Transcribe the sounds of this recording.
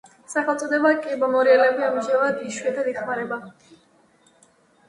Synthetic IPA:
saχɛlˠt̪sʼɔd̪ɛbakʼibɔmɔɾialɛbiamʒɛlad̪iʃwɛd̪ʰad̪iχmaɾɛba

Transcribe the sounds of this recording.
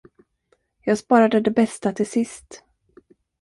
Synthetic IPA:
jɑːɡspɑːɾad̪əd̪ɛbɛst̪at̪ʰɪlsɪst̪

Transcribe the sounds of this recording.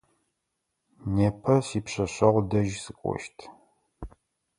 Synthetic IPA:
neːpʰɐsiːpɕɐɕɐʁʷdɐʒsɨkʷʼɔ̰ʃtʰ

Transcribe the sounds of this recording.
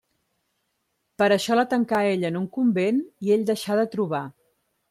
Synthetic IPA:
pəɾəʃɔlət̪əŋkaeʎənuŋkumbenieʎd̪əʃaðət̪ɾuβ̞a

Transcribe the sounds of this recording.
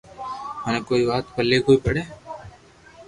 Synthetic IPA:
ɦɐnekoːibaːt̪pəlːekoːipɐɽeː

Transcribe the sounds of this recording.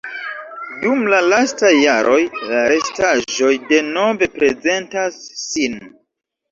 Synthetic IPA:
dumlalastajːaɾʔo̞jlaɾe̞staʒo̞jde̞no̞ve̞pɾe̞ze̞ntasːin

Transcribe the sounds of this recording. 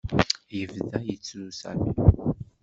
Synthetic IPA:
jəvðæjət͡sːlusæ̰mi

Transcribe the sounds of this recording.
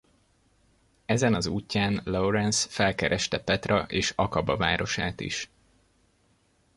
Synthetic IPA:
ɛzɛnɒzuːcːaːnloɾɛnsfɛlkɛɾʔɛʃt̪ɛpɛt̪rɒʔeːʃɒkɒbɒvaːɾo̞ʃaːt̪ḭʃ

